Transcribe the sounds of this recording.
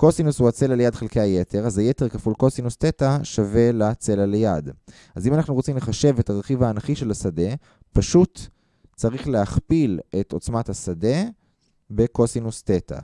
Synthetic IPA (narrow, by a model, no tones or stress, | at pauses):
kosinushuat͡se̞laljad̪χelkejajetʰeʁazaje̞te̞ʁkafulko̞sinust̪etaʃave̞lat͡se̞lalajad | azimanaχnuʁot͡simleχaʃe̞vetaʁeχivaːnaχiʃe̞lasade̞ | paʃut | t͡saʁiχleaχpile̞to̞t͡smathasade̞ | be̞kosinustetʰa̰